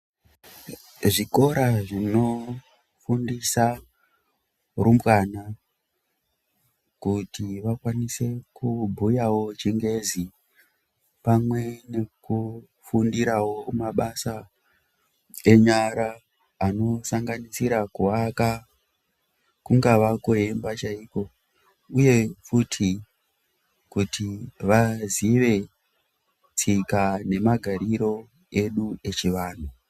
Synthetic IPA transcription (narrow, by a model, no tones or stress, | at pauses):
ʐiko̞ɾaʐino̞ | fundisa | rumbwana | kutiʋakwanise̞kubʱujawo̞t͡ʃiŋɡe̞zi | pamwe̞ne̞ku | fundiɾawo̞maɓasa | e̞ɲaɾaː | no̞saŋɡanisiɾakuɦaka | kuŋɡaʋakoe̞mbat͡ʃaiko̞ | uje̞futʰi | kutʰiʋaziʋe̞ | t͡sikane̞maɡʱaɾiɾo̞ | e̞ɗue̞t͡ʃiʋaːn̤u